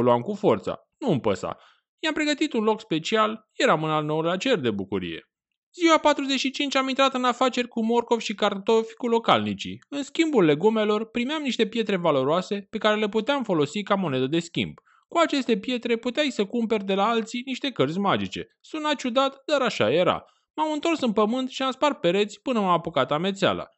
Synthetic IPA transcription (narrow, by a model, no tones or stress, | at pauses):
luamkufo̞rt̪sa̰ | nuɨmpə̰sa̰ | jampɾe̞ɡət̪it̪unlo̞kspe̞t͡ʃialje̞ɾamɨnalno̞wlat͡ʃe̞rd̪e̞bukuɾḭje̞̰ | ziwapat̪ɾuze̞t͡ʃʃit͡ʃint͡ʃʲamint̪ɾat̪ɨnafat͡ʃe̞rʲkumo̞rko̞vʃikart̪o̞fʲkulo̞ka̰lnit͡ʃḭɨnskʲimbulːe̞ɡume̞lo̞rpɾimeamniʃt̪e̞pje̞t̪ɾe̞valo̞ɾoase̞pe̞kaɾe̞le̞put̪eamfo̞lo̞sikamo̞ne̞d̪əd̪e̞skʲḭmb̥ | kuat͡ʃe̞st̪e̞pje̞t̪ɾe̞put̪eajsəkumpe̞rʲd̪e̞laalt̪siniʃt̪e̞kərzʲmad͡ʒit͡ʃe̞̰ | sunat͡ʃud̪at̪d̪aɾaʃa̰je̞ɾa̰ | mamɨnt̪o̞rsɨnpəmɨnt̪ʃiamspart̪̚pe̞ɾe̞t̪sʲpɨnəmapukat̪ame̞t̪sea̰la̰